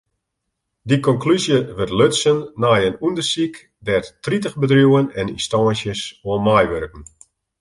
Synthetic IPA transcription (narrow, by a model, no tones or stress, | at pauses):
dikɔŋklyzjəʋərtløtsənːajənundərsik | dɛttritəxbədrjuwənɛnḭstɔːnsjəsoənmajʋøɾkn̩